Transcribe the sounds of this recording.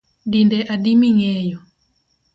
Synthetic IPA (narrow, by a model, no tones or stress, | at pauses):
dindɛʔadimiŋɛjɔ